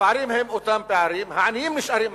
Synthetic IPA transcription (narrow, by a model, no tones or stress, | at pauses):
paːɾimɦɐmut̪ɐmpaːɾiːmɦaːniːmniʃɐɾim